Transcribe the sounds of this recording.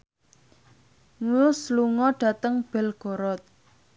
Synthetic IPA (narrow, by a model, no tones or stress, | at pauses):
ŋujʊsluŋɔɖ̥a̤t̪əŋb̥ɛlɡ̥ɔ̤ɾɔt̪̚